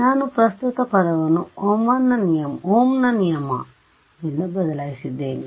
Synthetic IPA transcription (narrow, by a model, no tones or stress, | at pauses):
naːnupɾɐst̪ut̪ɐpɐd̪ɐʋɐnuoːmːɐnːɐnijɐmoːmnɐnijɐmɐ̰ | inːɐbɐd̪ɐlaːjisid̪ːeːni